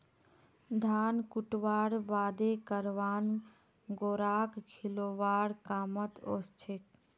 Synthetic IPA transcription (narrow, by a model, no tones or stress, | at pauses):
d̪ʱaːnkuʈʋaːɽʋaːd̪ekəɾʋaːn | ɡoːɾaːkkʰiloːʋaːɽkaːmət̪ost͡ʃʰek